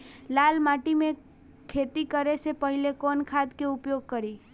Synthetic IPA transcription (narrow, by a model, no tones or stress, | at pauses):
lalmaʈimẽ | kʰːet̪ikəɾesepəɦilekɔnkʰad̪keʊpjoɡ̚kəɾi